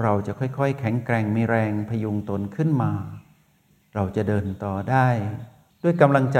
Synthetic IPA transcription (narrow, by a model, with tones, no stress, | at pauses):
ɾa˧wt͡ɕa˨˩kʰɔ˥˩jkʰɔ˥˩jkʰɛ˩˦ŋkɾɛː˧ŋmiː˧ɾɛː˧ŋpʰa˧juː˧ŋt̪o˧nkʰɯ˥˩nmaː˧ | ɾa˧wt͡ɕa˨˩ʔdɤː˧nt̪ɔː˧daː˥˩j | du˥˩əjka˧mla˧ŋt͡ɕa˧